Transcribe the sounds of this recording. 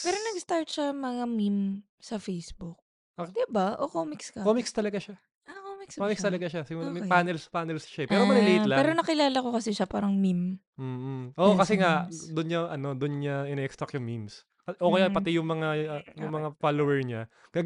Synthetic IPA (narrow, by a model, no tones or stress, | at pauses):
pɛːɾonɐɡst̪aɹt̪̚ʃɐmɐŋamim | sɐfejsbuk̚ | d̪ɪbaʔokoːmɪkskɐkomikst̪ɐlɐɡaʃa | ʔɐkomɪksomɪkst̪ɐlɐɡaʃasɪmlpaːnɛlspaːnɛlsʃaɛpɛːɾomɐnɪlet̪lapɛːɾonɐkɪlaːlɐko̞kɐsɛʃɐpaːɾɐŋmim | m̩ːʔoʔokɐsɛŋad̪ʊnɲɐʔɐno̞d̪ʊnɲaʔɪnɛkst̪ɾɐkjʊŋmims | kɐʔokɐjanpɐt̪ɪjʊŋmɐŋajʊŋmɐŋafaːlowɛɹɲa | ɡ̥ɐ